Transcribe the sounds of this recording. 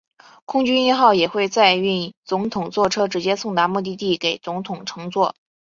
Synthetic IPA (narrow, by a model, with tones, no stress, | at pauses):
kʰʊ˥ŋt͡ɕy˥ni˥˧xɑ˥˩ʊjɛ˨˩xwe˥˧ɪt͡sa˥˧ɪy˥˩nt͡sʊ˧˥ŋt̪ʰʊ˨˩ŋt͡swɔ˥˩ʈ͡ʂʰɤ˥ʈ͡ʂɻ̩˧˥t͡ɕjɛ˥sʊ˥˩ŋt̪a˧˥mɔ˥˧t̪̬i˥˧t̪i˥˩ke˨˩ɪt͡sʊ˧˥ŋt̪ʰʊ˨˩ŋʈ͡ʂʰɤ˧˥ŋt͡swɔ˥˩